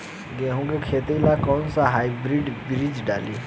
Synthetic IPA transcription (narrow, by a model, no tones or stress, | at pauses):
ɡeɦũːɡekʰeːt̪eilakɔːnsaɦaːibɾiɖbɾid͡ʒɖaːli